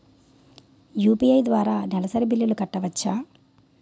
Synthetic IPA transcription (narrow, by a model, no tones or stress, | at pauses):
juːpiɐjd̪ʋaːɾaːnɛlɐsɐɾibilːjɐlukɐʈːɐʋɐt͡ʃːaː